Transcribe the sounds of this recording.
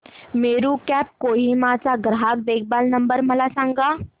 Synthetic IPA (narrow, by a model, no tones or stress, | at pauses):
meːɾukɛːp̚koːɦimat͡saɡɾɦak̚d̪eːk̚ʰbaːlnɐ̃mbəɾməlasãːŋɡa